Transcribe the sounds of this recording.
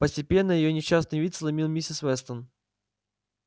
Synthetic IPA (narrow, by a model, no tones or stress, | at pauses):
pəsʲtʲɪpʲe̞nːəjɪjonʲɪɕːas̬nɨjvʲit̪slˠɐmʲilˠmʲisʲɪsvɛst̪ən